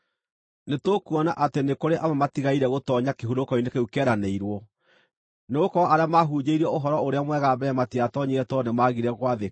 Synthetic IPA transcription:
netokuɔnaʔatenekoɾeʔamamatiɣaiɾɛɣotɔɲakeɦuɾokɔinekeukɛːɾaneiɾwɔ | neokɔaɾeamaɦuːd͡ʒeiɾɛoɦɔɾɔoɾeamwɛɣabɛmatiatɔɲeɛtɔnemaɣiɾɛɣwaðe

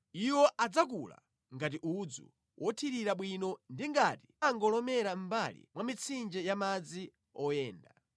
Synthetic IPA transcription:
iwɔʔad͡zakula̰ | ŋɡat̬iʔud͡zṵ | wʔɔtʰiɾiɾaɓwinɔndiŋɡatiaŋɡɔlɔmɛɾambalḭmwamit͡sʰind͡ʒɛjamad͡zi | ɔjɛːnda

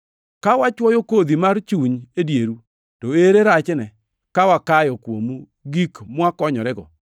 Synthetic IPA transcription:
kawat͡ʃwɔjokod̪imart͡ʃuɲedjeɾu | toeɾeɾat͡ʃnɛ | kawakajɔkwo̰mu | ɡikmwakɔɲɔɾɛɡɔ̰

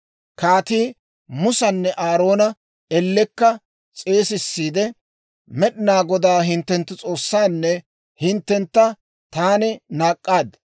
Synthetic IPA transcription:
kaːt̪iː | mʊsɐnːɛʔaːɾo̞ːnɐ | ɛlːɛkːɐ | t͡sʼe̞ːsɪsːiːd̪ɛ | mɛɗɪnaːɡɔd̪aːɦɪnt̪ːɛnt̪ːɪt͡sʼo̞ːsːaːnːɛ | hɪnt̪ːɛnt̪ːɐ | t̪aːnɪnaːkʼːaːd̪

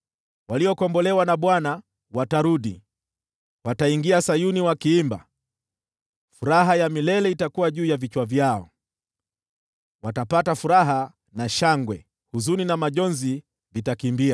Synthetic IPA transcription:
waliɔkɔmbɔlɛwanaɓwana | wataɾuɗi | wataiŋɡiasajuniwakiimba̰ | fuɾaɦajamilɛlɛitakuwaʄuːjavit͡ʃwavjaɔ̰ | watapatafuɾaɦa | naʃaŋɡwɛ | huzuninamaʄɔnzi | vitakimbia

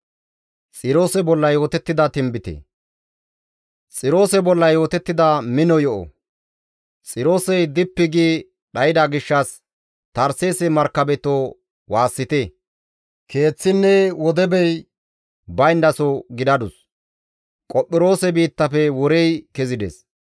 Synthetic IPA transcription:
t͡sʼɪɾo̞ːsɛbɔlːɐjo̞ːt̪ɛt̪ːɪd̪ɐt̪ɪmbɪt̪ḛː | t͡sʼɪɾo̞ːsɛbɔlːɐjo̞ːt̪ɛt̪ːɪd̪ɐmɪnɔjɔʔɔ̰ | t͡sʼɪɾo̞ːsɛjd̪ɪpːɪɡiː | ɗɐjɪd̪aɡɪʃːɐs | t̪ɐɾseːsɛmɐɾkːɐbɛt̪o | waːsːɪt̪e | kʰe̞ːt͡sːɪnːɛwɔd̪ɛbɛj | bɐjnd̪ɐsɔɡɪd̪ɐd̪ʊs | kʼɔpʼːɪɾo̞ːsɛbiːt̪ːɐfɛwɔɾɛjkɛzɪd̪ɛ̰s

